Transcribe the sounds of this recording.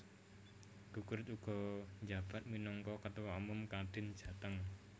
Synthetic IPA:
ɡ̥uɡ̥ʊɾt̪uɡ̥ɔ̤ɲd͡ʒab̥a̤t̪̚minɔŋkɔkət̪uwaumʊmkaɖ̪̥ɪ̤nd̥ʒ̥ä̤t̪əŋ

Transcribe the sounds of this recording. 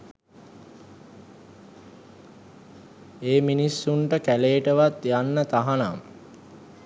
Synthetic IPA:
eːminisːuɳʈəkæleːʈəʋat̪janːət̪aɦanam

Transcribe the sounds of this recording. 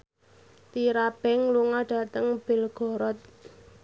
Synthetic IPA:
t̪iɾab̥ɛŋluŋaɖ̥a̤t̪əŋb̥e̤lɡ̥ɔ̤ɾɔt̪̚

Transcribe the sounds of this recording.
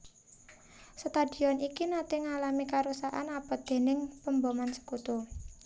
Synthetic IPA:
sət̪ad̥i̤ɔnikinat̪eŋalamikaɾusaʔanapɔd̪̥e̤nɪŋpəmbɔmansə̥kut̪u

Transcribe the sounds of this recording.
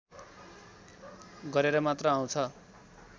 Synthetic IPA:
ɡʌɾeɾʌmat̪rʌaw̃t͡sʰʌ

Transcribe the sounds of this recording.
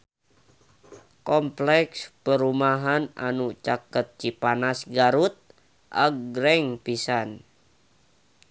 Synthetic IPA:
kɔmplɛkspəɾumaɦana̰nut͡ʃakət̪̚t͡ʃipanasɡaɾut̪̚ | ʔa̰ɡɾɛŋpisan

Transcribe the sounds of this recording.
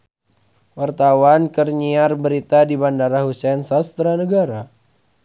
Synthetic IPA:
wart̪awankərɲiarbəɾit̪adibandaɾaɦusɛnsast̪ɾanəɡaɾa

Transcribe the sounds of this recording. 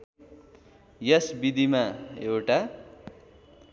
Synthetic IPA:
jʌsbid̪imaewʈa

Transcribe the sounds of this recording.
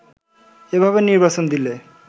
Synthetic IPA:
ebʱaβeniɾbasond̪ile

